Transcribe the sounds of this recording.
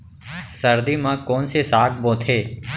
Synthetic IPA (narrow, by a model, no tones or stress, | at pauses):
səɾd̪iːmãːkoːnseːsaːk̚bõːt̪ʰeː